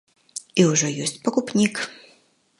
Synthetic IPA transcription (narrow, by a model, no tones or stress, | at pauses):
iwʐɔjɔsʲt͡sʲpɐkupnʲik